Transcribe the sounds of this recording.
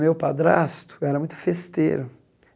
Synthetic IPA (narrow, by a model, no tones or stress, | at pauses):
mewpad̪ɾa̰st̪ʊ̥ɛɾɐmũj̃t̪ʊ̥fest̪ḛɾʊ